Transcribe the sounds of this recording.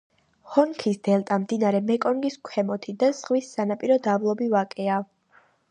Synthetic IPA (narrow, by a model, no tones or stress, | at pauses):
hɔnkʰisd̪̥ɛlˠt̪ʼamd̪inaɾɛmɛkʼɔŋɡiskʷʰɛmɔt̪ʰid̪az̥ʁwisːanapʼiɾɔd̪ablˠɔbivakʼɛav